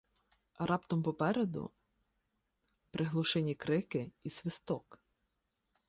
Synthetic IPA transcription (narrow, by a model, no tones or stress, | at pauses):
rʔɑpt̪ɔmpɔpɛɾed̪ʊ̰ | pɾʔɪɦlˠɔʃɛnʲikɾɪkɪisʲʋɪst̪ɔk